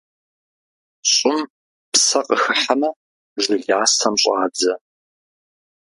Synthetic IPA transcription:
ɕʼɪm | psɐqʼəxɨħamɐ | ʒɪɮaːsʰɐmɕʼɑːd͡zɐ

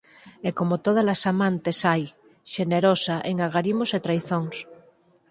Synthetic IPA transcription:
ekomot̪oð̞alasamãnt̪esaj | ʃeneɾosaʔeŋaɣaɾimoset̪ɾajθoŋs

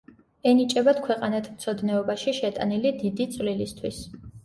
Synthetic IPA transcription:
ɛnit͡ʃʼɛbat̪kʰwɛqʼanat̪ʰmt̪sʰɔd̪nɛɔbaʃiʃɛt̪ʼa̰nilid̪id̪it̪sʼvlilist̪ʰwis

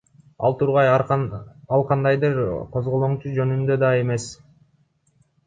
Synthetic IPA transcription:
ɑ̰lˠt̪ʰuɾʁɑj | ɑlˠqʰɑnd̪ɑjd̪ɯɾqʰo̞zʁolˠoɴt͡ʃud͡ʒø̞nynd̪ø̞d̪ɑe̞me̞s

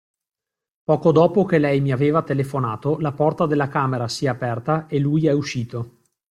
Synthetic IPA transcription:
pɔːkod̪ɔːpokelɛjmiaveːvat̪elefonaːt̪olapɔrt̪ad̪elːakaːmeɾasiɛapɛrt̪aelujɛuʃiːt̪o

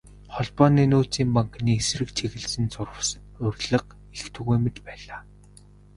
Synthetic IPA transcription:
χɔɮpɔːniːnoːt͡siːmpaŋkniːesrɘ̆kt͡ɕʰeɣɘ̆ɮsɘ̆nt͡sʊrə̆s | ʊrʲɮə̆q | ext̪ʰɵɣujmet͡ɕ̪pæːɮaː

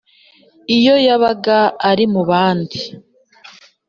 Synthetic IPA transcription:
ijo̞jaβaɡaːɾimuβaːndi

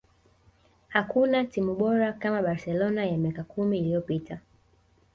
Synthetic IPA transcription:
hakunatimuɓɔɾakamaɓaɾsɛlɔnajamiakakʰumiːlijɔpitʰa

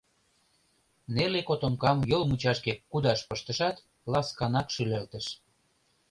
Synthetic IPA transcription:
nelekot̪omkɑmjolmut͡ɕɑʃkekːud̪ɑʃpəʃt̪ə̆ʃɑt̪ | lɑskɑnɑkʃylelt̪ə̆ʃ

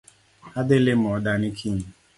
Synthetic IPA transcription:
adɪlɪm̩ɔdanikʰim̩

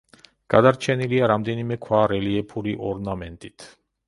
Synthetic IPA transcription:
ɡ̥ad̪aɾt͡ʃʰɛniliaɾamd̪ɛnimɛkʰwaɾɛliɛpʰuɾiʔɔɾnamɛnt̪ʼit̪ʰ

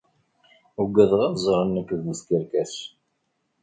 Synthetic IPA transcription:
ʊɡʷːæðʁɑzˤɾˤənːəkːðəskəɾkæs

